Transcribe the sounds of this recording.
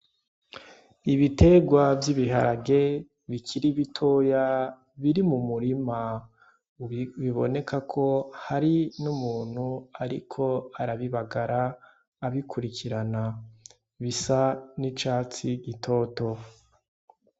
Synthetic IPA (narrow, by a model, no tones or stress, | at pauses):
iβite̞ɡwavjiβiɦaɾaɡe̞ | βikʰiɾiβitʰo̞ːja | βiɾimumuɾima | βiβo̞ne̞kakʰo̞haɾinumuːn̥huaɾḭkʰo̞aɾaβiβaɡaɾaː | βikʰuɾikʰiɾana | βisanit͡ʃaːt͡siɡitʰo̞ːto̞